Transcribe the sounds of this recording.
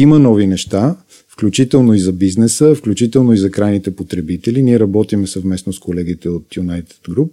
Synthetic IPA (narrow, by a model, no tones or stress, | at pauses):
imənɔvinɛʃt̪a | fklʲut͡ʃit̪ɛlˠnoizɐbiznɛsəfklʲut͡ʃit̪ɛlˠnoizɐkɾajnit̪ɛpot̪ɾɛbit̪ɛliniɛɾɐbɔt̪imɛsəvmɛsnoskolɛɡit̪ɛot̪junajt̪ɛ̥t̪ɡɾup̚